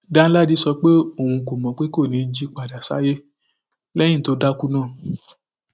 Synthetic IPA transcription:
da˦la˦di˧˦sɔ˧k͡pe˦o˦˨wũ˧ko˨mɔ̃˨k͡pe˦ko˦˨nĩ˨˧˦d͡ʒi˦k͡pa˨da˨sa̰˦je˦ | lɛ̃˦ĩ˦˨to˧˦da˦ku˦nãː˦˨

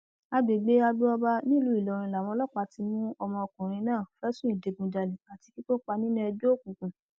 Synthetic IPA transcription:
a˧be˨ɡ͡be˦a˧bu˦ɔ˧ba˧nĩ˦˨lũ˨˦i˨lɔ˨ɾ̃ĩ˧la˨wɔ̃˧lɔ˦k͡pa˧ti˧mũ˦ɔ˧mɔ̃˧ɔ˧˨kũ˨ɾ̃ĩ˧nãː˦˨fɛ˦sũ˦i˦˨de˨ɡũ˧d͡ʒa˨le˨a˨ti˧ki˦to˦k͡pa˧nĩ˦nũ˦ɛ˧d͡ʒo˦˨kũ˨kũ˨

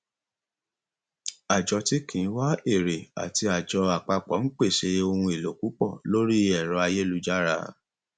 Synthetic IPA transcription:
a˨d͡ʒɔ˧ti˦kʰĩ˨˦wa˦e˦˨ɾe˨a̰˨ti˧a˨d͡ʒɔ˧a˨k͡pa˧k͡pɔ˨˦n̩˦k͡pe˦˨ʃe˧˦o˧hũ˧e˨lo˨ku˨˦k͡pɔ̰˦˨lo˦ɾi˦ɛ˨ɾɔ˧˦a˧je˦lu˦d͡ʒa˦ɾa̰˧

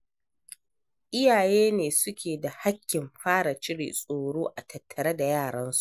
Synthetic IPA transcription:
ʔɪ˦jaː˨jeː˦neː˨sʊ˦kʲʰeː˨da˨ha˦kʲːɪ˨mɸaː˦ɽa˨t͡ʃɪ˦ɽḭː˨sʼoː˨ɽoː˦ʔa˨tʰɐ˨tʰːɐ˨ɾɐ˦da˨jaː˦˨ɽɐ˦nsu̥˦ʔ

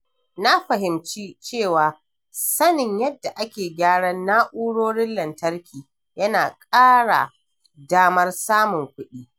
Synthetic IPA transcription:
na˦ɸɐ˨ɦɪ˨mt͡ʃiː˦t͡ʃeː˦˨waː˨ | sɐ˦nɪ˨ɲjɐ˦dːa˨ʔa˦kʲeː˨ɡʲaː˦ɽɐ˦nːaː˦ʔuː˦ɽoː˦ɽɪ˦lːɐ˨ntɐ˦rkʲʰiː˨ | jɐ˦naː˨kʼaː˦ɽa̰˨ | daː˦mɐ˦rsaː˦mʊ˨ŋkʷʊ˦ɗiː˦

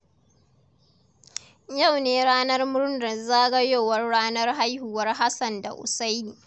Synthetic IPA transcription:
ja˦˨wneː˨˦ɾaː˦nɐ˦rmʊ˦ɾndɐ˨nzaː˦ɡɐ˦joː˦˨wɐ˦rːaː˦nɐ˦rɦa˦jhu˨wɐ˦rɦa˦sɐ˨nda̰˨ʔʊ̰˨sa˦jniː˨

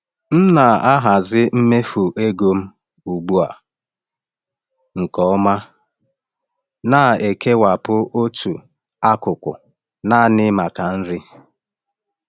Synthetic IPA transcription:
m̩˦na˨a˦ɦa˨zɪ˦m̩˦me˦fu˨ʔe˦ɡo˦m̩˦ | u˨ɡ͡bu˦a̰˨ | ŋ̩˨kɔ˨˦ma˦ | na˨e˨ke˦wa˨pʊ˦o˦tʰu˨ | a˦kʊ˨kʷʊ̰˨ | na˦˨nɪ˦ma˨ka˨n̩˦ɾɪ˦

